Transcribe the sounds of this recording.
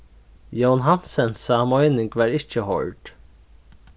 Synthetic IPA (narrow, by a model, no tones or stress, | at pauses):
jonɦɑnsənsɑːmɔʏnɪŋɡʋɑːɾɪçəhɔ̰ɹɖ̥